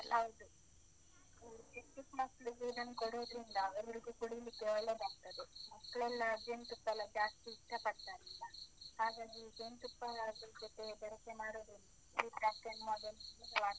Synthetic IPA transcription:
ɐwd̪u | t͡ʃekʈːikmɐsɭuɾiːzɐnkoɽoːd̪ɾind̪ɐːʋɐɾɐɾiɡuːkuɽijlikːeɔɭːe̞ːd̪aːɡ̚t̪ɐd̪emɐkːɐɭɛlːɐɡeɳʈ̪upːɐlːɐd͡ʒaːsʈ̪iːʂʈapɐɽt̪aːɾilːɐhaːɡaːɡid͡ʒeɳʈ̪upːɐlaɡ̪ɐld͡ʒot̪e̞bɛɾɐkːe̞maːɽoːd̪ɾilːɐ | iːd͡ʒaːsʈ̪enmod̪ɐlːɡ̪ʋaː

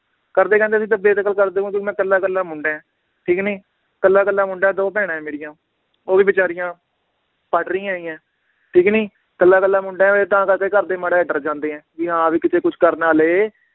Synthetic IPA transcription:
kəɾd̪eːkɛ̃ːnd̪eːəs̬ĩːt̪əbeːt̪əkəlkəɾd̪eːɦũːk̪õːkmɛ̃ːkəlːaːkəlːãːmʊɳɖẽːɛ̃ː | ʈʰiːkniː | kəlːaːkəlːaːmʊɳɖaɛːd̪oːpɛːɽãːɛ̃ːmeːɽɪjãː | oːʋiːbɪt͡ʃaːɾɪjãː | paːʈɾĩːãːĩːɛ̃ː | ʈʰiːkniː | kəlːaːkəlːaːmʊɳɖãːɛ̃ːet̪ãːkəɾkeːkəɾd̪eːmaɽaːɖəɾd͡ʒãːnd̪eːɛ̃ːʋiːɦãːʋiːkɪt̪ʰeːkʊt͡ʃʰkəɾnaːleː

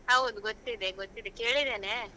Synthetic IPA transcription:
aːʋond̪ɡot̪ːid̪eɡot̪ːid̪eke̞ːɭid̪ene

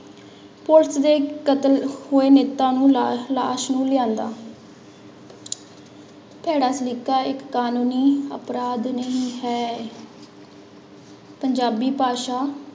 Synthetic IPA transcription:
pʊɾsd̪eːkət̪əlhʊːeːneːt̪ãːnũːla̰ːʃnũːlɪjãːnd̪a̰ː | pʰɛːɽaːslikːaːɪkːaːnũːniːə̰pɾaːd̪nəĩːɦɛː | pəɲd͡ʒaːbiːpaːʃaː

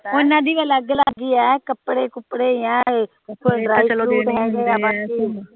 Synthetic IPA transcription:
onãːd̪iːʋəːləɡləɡiːɛːkəpɽeːkʊpɽeːjãː | kʰoɖɾaːɾuːɦɛ̃ːɡeaːbaːtiː

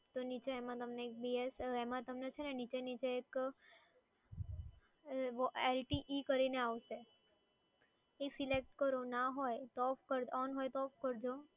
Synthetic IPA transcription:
t̪onit͡ʃeemãt̪əmneːk̚biesemãt̪əmnet͡ʃʰenenit͡ʃenit͡ʃeːk | ʋelʈiʔikəɾineaʋʃe | esilek̚ʈkəɾonaɦojt̪ɔfkəɾɔnɦojt̪ɔfkəɾd͡ʒo

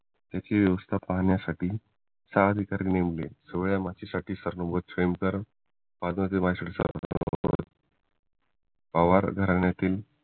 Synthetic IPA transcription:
t̪jat͡ɕeʋjəʋəst̪ʰapaɦɳjasaʈiː | saəd̪ʱikaɾinemlesəʋɭjamat͡ɕisaʈʰiːsəɾnəbət̪femkəɾ | pad̪ʋat͡semasɽsə̰ə̰ | paʋaɾɡʱəɾaɳjat̪iːl

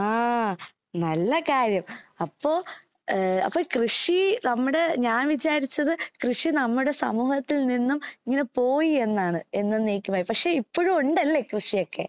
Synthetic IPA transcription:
aː | nɐlːɐkaːɾjɐmɐpːo̞ː | ɐ̰pːoːkrɨʂinɐmːuɽe̞ɲaːnʋit͡ɕaːɾit͡ɕːɐðɨkrɨʂinɐmːuɽe̞sɐ̰muːhɐt̪ːilninːumiŋːɐne̞po̞ːjie̞nːaːɳɨe̞nːɨneːkʲːumaːjipɐkʂe̞ipːoːɻumuɳɖɐlːe̞krɨʂijo̞kːe̞̰

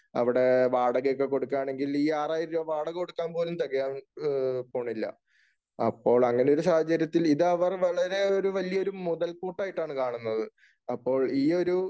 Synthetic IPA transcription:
ɐ̰ʋiɽe̞ʋaːɽɐɣjok̬ːe̞ko̞ɽukːaːɳe̞ŋɡiliːaːraːjiɾoʋaːɽɐɣkoɽukːaːnpo̞ːlumt̪ɐɣɐjaːn | po̞ːɳːilːɐ̰ | ɐpːo̞ːɭɐŋːɐne̞o̞ɾusaːhɐt͡ɕːɐɾjɐt̪ːiliðɐʋɐrʋɐɭɐɾe̞o̞ɾuʋɐlijɐo̞ɾumuðɐlpuːʈːaːjiʈːaːɳɨkaːɳunːɐðɨ | ɐpːo̞ːɭiːo̞ɾu

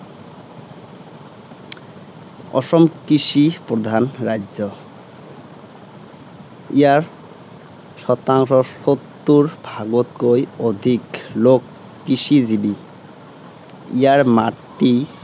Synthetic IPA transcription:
ɔ̰ʃɔmkɾiʃipɾod̪ʱanɾajd͡ʑo | ijaɾ | ʃɔt̪aŋʃɔʃot̪ːuɾbʱaɡot̪kojod̪ʱiklokː | iʃid͡ʑibi | ijaɾmaʈːi

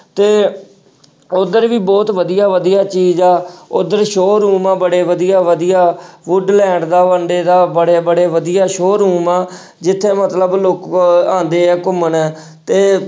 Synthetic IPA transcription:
t̪eː | ʊd̪əɾʋiːbɔːt̪ʋəd̪ijaːʋəd̪ijaːt͡ʃiːd͡ʒɛːʊd̪əɾʃoːɾuːmãːbəɽeːʋəd̪ijaːʋəd̪ijaːʋʊɖlɛ̃ːɳɖd̪aːʋəɳɖeːd̪aːbəɽeːbəɽeːʋəd̪ijaːʃoːɾuːmaː | d͡ʒɪt̪ʰːeːmət̪ləbloːkãːnd̪eːɛːkʊmənɛː | t̪eː

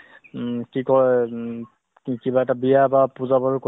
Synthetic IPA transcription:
kikɔɹɛ | kibaɛtabijabapuzabaɹʊko

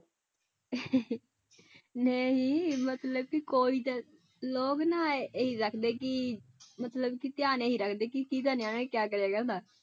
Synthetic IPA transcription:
nəĩːmət̪ləb̚kɪkoːiːt̪ː | loːknaːeiɾəkʰd̪eːkɪmət̪ləbkit̪jaːneːɦiːɾəkʰd̪eːkikiːt̪aːneaːnẽːkjaːk̬əɾjaːɡɛ̃d̪aː

